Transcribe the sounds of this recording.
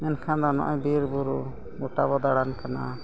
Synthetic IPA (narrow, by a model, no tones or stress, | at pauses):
mɛnkʰand̪ɔnɔʔaɲbiɾbuɾu | muʈaβɔd̪aɽankana̰